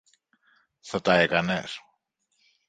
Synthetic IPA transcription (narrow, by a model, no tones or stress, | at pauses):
θɐt̪ɐekɐnes